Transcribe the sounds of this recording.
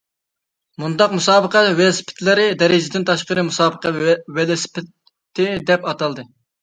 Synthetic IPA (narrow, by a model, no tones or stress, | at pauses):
mund̪ɑqmusɑːbəqɑt̪wɛlsɪ̥pʰɪ̥t̪ʰlɪɾɪd̪ɛɾɪd͡ʒɪd̪ɪnt̪ʰɑʃqəɾɨmusɑːbəqʰɑwɛlɪspʰɪt̪ʰː | ɪd̪ɛpɑt̪ɑlˠd̪ɨ